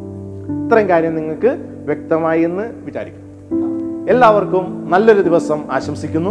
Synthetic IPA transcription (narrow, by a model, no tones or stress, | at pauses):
it̪rɐŋkaːɾjɐmniŋːɐɭkɨ | ʋjek̚t̪ɐmaːjienːɨʋit͡ɕa̰ːɾikʲːunː | e̞lːaːʋɐrkumnɐlːo̞ɾud̪iʋɐsɐmaːɕɐmsikʲːunːu